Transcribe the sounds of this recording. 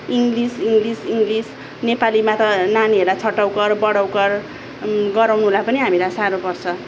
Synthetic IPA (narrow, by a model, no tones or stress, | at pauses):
iŋɡlisiŋɡlisiŋɡlis | nepalimat̪ʌnaniɦeɾlat͡sʰʌʈːʌwkʌrbʌɽʌwkʌr | ɡʌɾawnuɦolapʌniɦamilasaɾopʌrt͡sʰʌ